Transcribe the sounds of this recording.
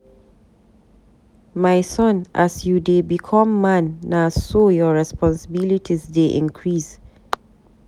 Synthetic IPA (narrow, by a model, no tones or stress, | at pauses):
maɪsɔ̃nʔasjudebikʰɔ̃mːãnːasojɔɹɛspɔ̃nsəbilitʰisdeʔḭ̃nkʰɹis